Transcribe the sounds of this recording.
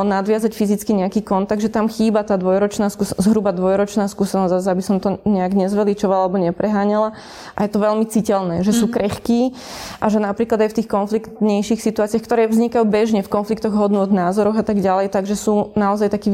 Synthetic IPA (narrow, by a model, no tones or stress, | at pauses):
nad̪ʋɪazacfizit͡skiɲɛakiːkɔnt̪aɡ̚d̪ʒɛt̪amxiːbat̪aːd̪ʋɔjɾɔt͡ʃnaːskuzɦɾubad̪ʋɔjɾɔt͡ʃnaːskuːsɛnɔzazabisɔmt̪ɔɲɛaɡɲɛzʋɛlit͡ʃɔʋalalɛbɔɲɛpɾɛɦaːɲala | ʔajɛt̪ɔʋɛlmit͡sicɛlnɛːʒɛsuːkɾɛxkiː | ʔaʒɛnapɾiːklad̪ajft̪iːxkɔnflikt̪ɲɛjʃixsit̪uaːt͡siaxkt̪ɔɾɛːvzɲikajuːbɛʒɲɛfkɔnflikt̪ɔɣɦɔd̪nʊɔd̪naːzɔɾɔɣat̪aɡɟalɛjt̪aɡʒɛsuːnaɔzajt̪akiː